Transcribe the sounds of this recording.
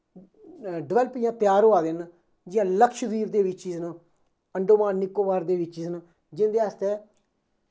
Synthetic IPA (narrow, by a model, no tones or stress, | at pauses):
ɖɪʋɛːlpijãːt̪ɪjaːɾɦoːaːd̪en | d͡ʒɪjãːləkʃd̪iːɾd̪eːʋɪt͡ʃiːsn | əɳɖoːmaːnːɪkːoːʋaːɾd̪eːʋɪt͡ʃiːsn | d͡ʒɪnd̪eːəst̪eː